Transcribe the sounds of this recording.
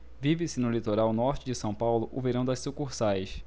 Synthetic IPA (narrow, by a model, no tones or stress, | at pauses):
vivɪsɪnʊlit̪oɾawnɔɾt͡ʃɪd͡ʒɪsɐ̃w̃pawlʊʔʊveɾɐ̃w̃d̪ɐsukuɾsajʃ